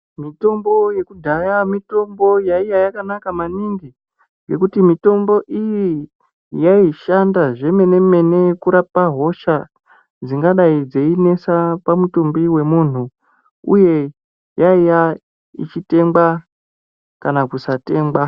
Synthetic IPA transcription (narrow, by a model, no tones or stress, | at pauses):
mito̞mbo̞je̞kudʱajamito̞mbo̞jaijajakanakamaniŋɡi | ŋɡe̞kutimito̞mbo̞ʔiji | jaiʃandaʐe̞me̞ne̞me̞ne̞kuɾapaɦo̞ʃa | d͡ziŋɡaɗaid͡ze̞ine̞sapamutombiwe̞muːn̤u | ṵje̞ | jaija | ḭt͡ʃite̞ŋba | kanakusate̞ːŋɡwa